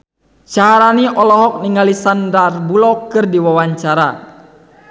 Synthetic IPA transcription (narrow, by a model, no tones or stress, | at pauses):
t͡ʃaɦaɾaniʔɔlɔɦɔk̚niŋalisandarbulɔkɨrdiwawaɲt͡ʃaɾa